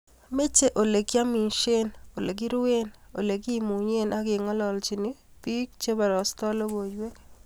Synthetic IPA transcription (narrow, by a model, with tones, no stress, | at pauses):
me˦t͡ʃe˦ʔo˨le˨ɡja˦mi˨nʃe˦no˨le˨ɡ̬i˦ɾwe˦no˨le˨ɡi˦mu˨ɲe˦nʔa˦ɡɪ˨ŋɔ˦lɔ˨lt͡ʃi˨ni˦pi˦k̚t͡ʃe˦ba˨ɾɔ˨stɔ˦lo˦bo˨d͡ʒwe˦k